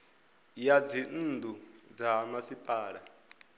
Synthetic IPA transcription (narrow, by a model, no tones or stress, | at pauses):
jad͡zin̩ːdud͡zamasipʼaːɺa